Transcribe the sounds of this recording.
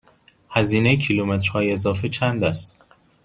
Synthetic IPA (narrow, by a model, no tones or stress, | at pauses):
hæziːnejcʰilumet̪ɾ̥hɒːjeezɒːfet͡ʃʰænd̪æst̪